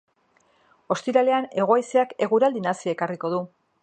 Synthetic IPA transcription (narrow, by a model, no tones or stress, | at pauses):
o̞st̪iɾale̞ane̞ɣ̞o̞ajseake̞ɣuɾald̪inasiaekariko̞ðu